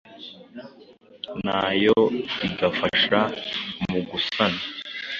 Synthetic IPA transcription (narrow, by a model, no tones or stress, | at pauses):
naːjoiɡafaʃamuɡusana